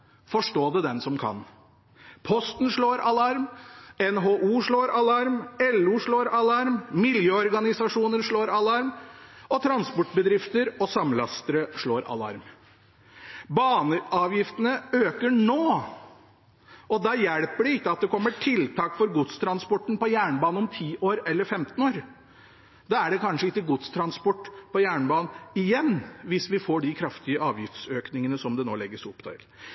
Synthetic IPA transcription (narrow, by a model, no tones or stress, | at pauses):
fɔʂʈoːd̪ɛd̪ɛnsɔmkʰɑ̰n | pʰɔst̪n̩ʂɭoːɾɑlɑɾmɛnɦoːʔuːʂɭoːɾɑlɑɾmɛlʉːʂɭoːɾɑlɑɾmmɪljøːɔɾɡɑnɪsɑʂuːnənʂɭoːɾɑlɑɾmɔt̪ʰɾɑnspɔʈbəd̪ɾɪft̪əɾɔsɑmlɑ̰st̪əɾəʂɭoːɾʔɑ̰lɑ̰ɾm | bɑːɳəɑːʋjɪft̪ənəøːkəɳoː | ʔɔd̪ɑːjɛɽpəɖɪɪkːəɑt̪̚d̪ɛkʰɔmːəʈʰɪlt̪ʰɑːkfɔɾɡʊt̪st̪ʰɾɑnspɔʈːn̩pɔjæːɳbɑːnɔmt̪ʰiːʔoːɾɛlːəɾfɛmt̪ən̩oːɾ | d̪ɑæɖɛkʰɑnʂəɪkːəɡʊt̪st̪ʰɾɑnspɔʈːpɔjæːɳbɑːnn̩ɪjɛnːʋɪsʋɪfoːɖɪkʰɾɑft̪ɪəʔɑːʋjɪft̪søːknɪŋənəsɔmd̪ɛno̰ːlɛɡːəsʊpːd̪ɑ̰ɪl